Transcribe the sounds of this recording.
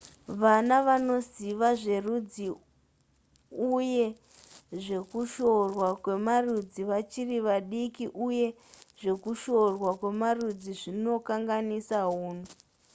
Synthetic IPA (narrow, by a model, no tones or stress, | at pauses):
ʋanaʋano̞ziʋaʐe̞rud͡zi | uje̞ | ʐe̞kuʃo̞rwakwe̞marud͡ziʋat͡ʃiriʋaɗikiʔuje̞ | ʐe̞kuʃo̞rwakwe̞marud͡ziʐino̞kaŋɡanisaɦuːn̤u